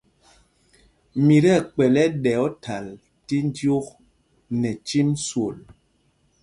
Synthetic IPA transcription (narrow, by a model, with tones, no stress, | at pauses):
mi˨ɾɛ˦˨k͡pɛ˨lɛ˦ɗɛ˨ɔ˦tʰa˨l | ti˦n˦djo˦k̚ | nɛ˨t͡ʃi˦mswo˨l